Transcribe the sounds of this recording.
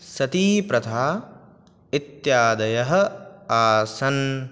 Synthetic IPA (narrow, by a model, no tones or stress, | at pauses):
sɐt̪iːpɾɐt̪ʰaː | it̪jaːd̪ɐjɐɦɐaːsɐn